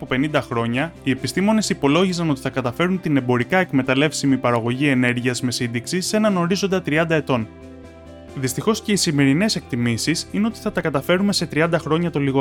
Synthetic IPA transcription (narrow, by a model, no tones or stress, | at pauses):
pope̞nind̪ɐxɾo̞ɲɐie̞pist̪imo̞ne̞sipo̞lo̞ʝizɐno̞t̪i̥θɐkɐt̪ɐfe̞ɾunt̪ine̞bo̞ɾikɐe̞kme̞t̪ɐle̞fsimipɐɾɐɣo̞ʝie̞ne̞ɾʝiɐzme̞sind̪iksise̞nɐno̞ɾizo̞nd̪ɐt̪ɾiɐnd̪ɐe̞t̪o̞n | ðist̪ixo̞sce̞isime̞ɾine̞se̞k̚t̪imisisine̞o̞t̪i̥θɐt̪ɐkɐt̪ɐfe̞ɾume̞se̞t̪ɾiɐnd̪ɐxɾo̞ɲɐt̪oliɣo